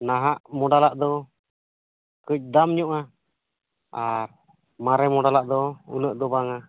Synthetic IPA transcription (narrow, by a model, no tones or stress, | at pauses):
naɦaʔmɔɖalaʔd̪ɔ | kəc̚ˀd̪amɲɔʔa | aɾ | maɾɛmɔɖalaʔd̪ɔṵnəʔd̪ɔbaŋa